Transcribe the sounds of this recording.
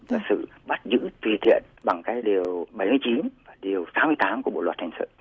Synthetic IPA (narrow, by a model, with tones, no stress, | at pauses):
vaː˨˩sɨ̰˧˨ | ɓa˦˥t̚zɨ̰˧˥t̪wi˨˩t̪ʰḭ˧˨ənɓa˨˩ŋkaː˨˦jɗi˨˩əwɓə˧˩jmɨ˧˩əjt͡ɕi˨˦nvaː˨˩ɗi˨˩əwsaː˨˦mɨ˧əjt̪aː˨˦mkɓo̰˧˨lwəː˨˩t̚hʰa˨˩ŋsɨ̰˧˨